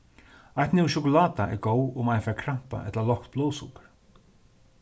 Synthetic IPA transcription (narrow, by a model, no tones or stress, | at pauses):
ajt̪nɪwʃʊkʊlaːt̪aʔɛ̰ɾɡoːwʊmajnfɛɾkʰɾam̥pa̰ʔɛt̪lalɔhkt̪̚b̥loːwsṵkəɾ